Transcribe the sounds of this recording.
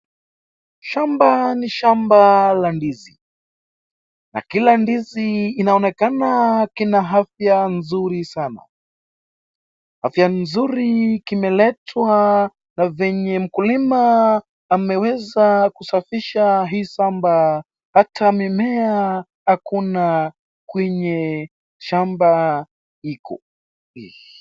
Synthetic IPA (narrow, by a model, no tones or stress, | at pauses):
ʃambaniʃambalandizi | na̰kilandiziːnaɔnɛkanakinaɦafjanzuɾisana̰ | hafjanzuɾikimɛlɛtʰwa | navɛɲɛm̩kulimaː | mɛwɛzakusafiʃaɦiːsamba | hatʰamimɛa | hakuna | kwɛɲɛ | ʃamba | ikʰɔ